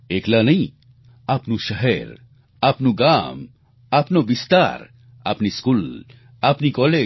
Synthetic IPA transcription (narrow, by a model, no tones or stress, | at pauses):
eːklanɐĩ | apnuʃɐɦɛɾ | apnuɡaːm | apnoʋist̪a̰ːɾ | a̰pniskul | apnikɔːleː